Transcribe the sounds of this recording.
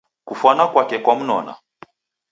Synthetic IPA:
kufwanakwakɛkwam̩nɔ̰na̰

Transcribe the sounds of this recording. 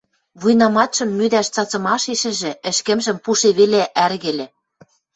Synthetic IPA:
βujnɑmɑt̪ʃɤ̆mːyd̪æʃt͡sɑt͡sɤ̆mɑʃiʃɘ̆ʒĕɘ̆ʃkɘ̆mʒɘ̆mpuʃeβeleʔærɣĕlʲĕ

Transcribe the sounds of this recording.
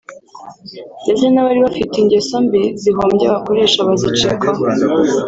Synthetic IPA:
ɲɟezenaβaɾiβafitiɲɟesombiziɦoːmɟaβako̞ɾe̞ːʃaβazit͡ʃekʰaɦ

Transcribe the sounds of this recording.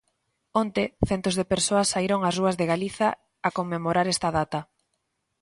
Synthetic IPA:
ont̪eθɛnt̪ozðepeɾsoɐsːaiɾoŋazruɐzðeɣaliθɐ | akomːemoɾaɾɛst̪ɐðat̪ɐ

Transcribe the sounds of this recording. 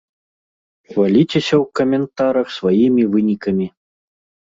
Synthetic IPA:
xvalʲit͡sʲesʲɐwkɐmʲɛnt̪aɾɐxsvajimʲivɨnʲikɐmʲi

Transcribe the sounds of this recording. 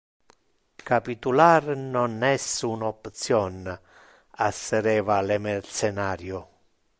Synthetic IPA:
kapit̪ularnɔnɛsunɔpt̪sjɔn | asːeɾɛːvalemɛrsɛnaːɾjʊ

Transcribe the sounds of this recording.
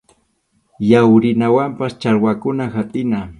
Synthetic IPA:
jawɾɪnawampast͡ʃaɾwakʊnaxat̪ʼɪna

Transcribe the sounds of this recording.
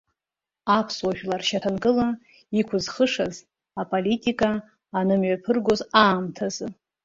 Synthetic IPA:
apʰswaʒᶣlarʃatʰankʼɨla | ikʷʰʊzχəʂaz | apʼolitʼikʼaː | nɨmɥapʰɨrɡʷozaːmtʰazɨ

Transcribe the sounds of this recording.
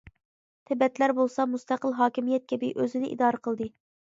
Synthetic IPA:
t̪ʰɪbɛt̪læɾbolˠsɑmust̪æqəlˠɦɑːkʲimijɛt̪̚kʲʰɛbiʔøzɪnɪʔḭd̪ɑːɾəqʰəlˠd̪ɨ

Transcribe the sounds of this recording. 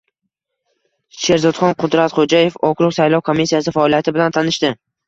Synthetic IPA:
ʃe̞ɾzɒt̪χɒnqʰʊd̪ɾat̪χod͡ʒaje̞fɒkʰɾʊqsajlˠɒwkʰomːisːijasɪfaːlˠijat̪ʰɪbɪlant̪ʰanɪʃt̪ɪ

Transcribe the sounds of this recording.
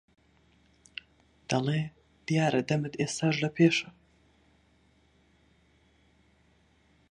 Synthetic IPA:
d̪̥ɐlˠeː | d̪̥ijaːɾʔɐd̪ɐmɨd̪eːst̪aːʒlɐpʰeːʃɐ

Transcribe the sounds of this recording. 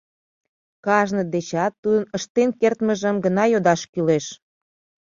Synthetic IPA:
kɑʒnəd̪et͡ɕɑt̪ːud̪ənəʃt̪enkert̪məʒəmɡənɑjod̪ɑʃkyleʃ

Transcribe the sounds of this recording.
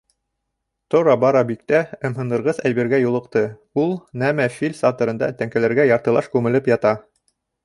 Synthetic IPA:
t̪ŏɾɑbɑɾɑbik̚t̪æɤ̆mɦɤ̆nd̪ɤ̆ɾʁɤzæjbĭɾɡæjulˠɤ̆qt̪ɤ | ulˠnæmæfilʲsɑt̪ŏɾɤ̆nd̪ɑ̰t̪æŋkælæɾɡæjɑɾt̪ɤ̆lˠɑʃkʉmɘ̆lɘpjɑt̪ɑ

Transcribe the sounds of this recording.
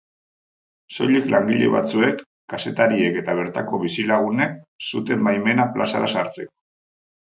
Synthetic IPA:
so̞̰jʎiklʔaŋɡiʎe̞̰βa̰t͡sue̞kː | ase̞t̪aɾie̞ke̞t̪aβ̞e̞ɾt̪ako̞βisilaɣ̞une̞k̚sut̪emajme̞naplʔasa̰ɾasaɾt͡se̞ko̥

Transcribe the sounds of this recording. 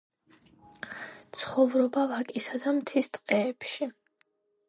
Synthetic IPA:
t̪sʰχɔvɾɔbavakʼisad̪amt̪ʰist̪ʼqʼɛːpʃi

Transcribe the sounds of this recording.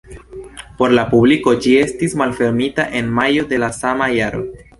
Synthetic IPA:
po̞ɾlapubliko̞d͡ʒie̞stismalfe̞ɾmitaʔe̞nmajo̞de̞lasamajaɾo̞̰

